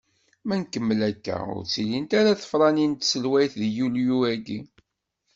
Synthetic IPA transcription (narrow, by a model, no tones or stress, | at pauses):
mænkːəmːəlækːæ̰ʊ̰ɾt͡silint̪aɾaθə̥fɾˤɑnint̪səlwæjθðjuljuæɡi